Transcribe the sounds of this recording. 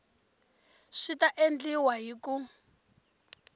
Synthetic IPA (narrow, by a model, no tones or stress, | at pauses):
ʃitaʔend͡ɮiwaɦiku